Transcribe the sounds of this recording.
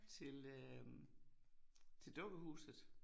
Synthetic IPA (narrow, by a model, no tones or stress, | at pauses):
t͡sʰe̝lø | t͡sʰe̝ld̥ɔ̽ɡ̥əhṵːsð̩ˠ